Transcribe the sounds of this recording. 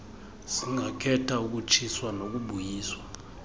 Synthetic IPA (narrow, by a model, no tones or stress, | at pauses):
siŋʱakʰɛtʰauk̬ut͡ʃʰiswanok̬uɓujiːswa